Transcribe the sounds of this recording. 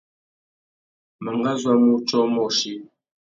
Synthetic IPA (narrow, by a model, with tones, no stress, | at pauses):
ma˨ŋɡa˦zwa˦mu˦t͡ʃɔ˦mɔ˨ʃi˦